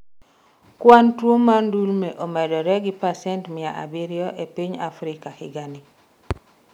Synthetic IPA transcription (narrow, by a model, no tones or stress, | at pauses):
kwantwomandulmeʔomɛdɔɾɛɡɪpasɛntmɪaʔa̰biɾjɔʔepiɲafɾɪkahɪ̰ɡani